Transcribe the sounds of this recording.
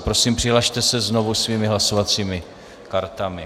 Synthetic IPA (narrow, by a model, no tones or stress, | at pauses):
pɾo̞siːmpr̝̥ɪɦlaʃt̪ɛsɛzno̞vusviːmɪɦlaso̞vat͡siːmɪ | kaɾt̪amɪ